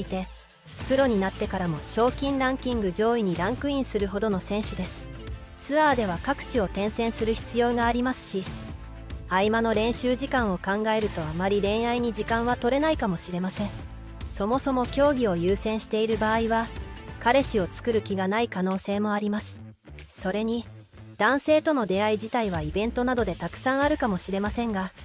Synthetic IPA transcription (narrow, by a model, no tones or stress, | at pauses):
it̪e̞ | pɯ̟ɾo̞ɲ̟inat̪ːe̞kaɾamo̞ɕo̞ːkʲĩnɾãŋkʲĩŋɡɯ̟ʑo̞ːiɲ̟iɾãŋkɯ̟ĩɰ̃sɨɾɯ̟ɦo̞d̪o̞no̞sẽ̞ɰ̃ɕɨd̪e̞sɨ̥ | t͡sɨaːd̪e̞β̞akakɯ̟̥t͡ɕio̞t̪ẽ̞ɰ̃sẽɰ̃sɨɾɯ̟çi̥t͡sɨjo̞ːɡaːɾʲimasɨ̥ɕi | aimano̞ɾẽ̞ɰ̃ɕɨːʑikãɰ̃o̞kãŋɡae̞ɾɯ̟t̪o̞amaɾʲiɾẽ̞ɰ̃aiɲ̟iʑikãɰ̃βat̪o̞ɾe̞naikamo̞ɕiɾe̞masẽ̞ɴ | so̞mo̞so̞mo̞kʲo̞ːɡʲio̞jɯːsẽ̞ɰ̃ɕi̥t̪e̞iɾɯ̟baːiβakaɾe̞ɕio̞t͡sɨ̥kɯ̟ɾɯ̟kʲiɡanaikano̞ːse̞ːmo̞aɾʲimasɨ̥ | so̞ɾe̞ɲ̟i | d̪̥ãɰ̃se̞ːt̪o̞no̞d̪e̞aiʑit̪aiβaibẽ̞nt̪o̞nad̪o̞d̪e̞t̪akɯ̟̥sãɰ̃aɾɯ̟kamo̞ɕiɾe̞masẽ̞ŋɡa